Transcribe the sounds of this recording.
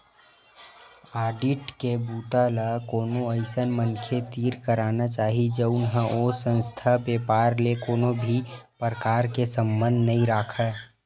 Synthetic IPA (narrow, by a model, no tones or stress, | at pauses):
aːɖɪʈkebuːt̪alakoːnõəɪsənmənkʰet̪iːɾkəɾaːnat͡ʃaːɦid͡ʒəʊnɦə̃ʔoːsə̃nst̪ʰabeːpaːɾlekoːnobʱipɾkaːɾkesə̃mbə̃nd̪ʱnɐɦĩɾaːkʰə